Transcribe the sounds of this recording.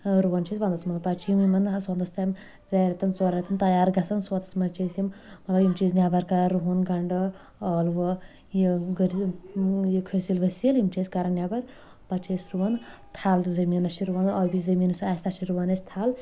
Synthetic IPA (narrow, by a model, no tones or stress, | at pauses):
ɾuʋɐnt͡ʃʰiːsʲʋɐnd̪ɐsmɐt̪ɐpɐt͡ʃʰiimimɐnswɐnd̪ɐst̪ʰɐm | ɾaːɾɐt̪ɐnt͡soːɾɐt̪ɐnt̪ɐjaːɾɡɐsɐnswɐt̪ɐ̥smɐnt͡ʃʰeːsjimmɐt̪lɐbimt͡ʃiːznʲjaːbɐɾkɐɾaɾuɦunɡɐɳɖɐ | ɔːlʋɐ | jiɡəɾ | jikʰəsilɡɐsiɐlimt͡ʃeːskɐɾɐnjaːbɐɾ | pɐt͡ʃʰeːsɾuʋɐn | t̪ʰaːlt̪ɨzɐmiːnɐʃʰiɾuʋɐnɐːbʲizɐmiːnusaːst̪ɐt͡ʃʰiɾuʋɐnɐst̪ʰaːl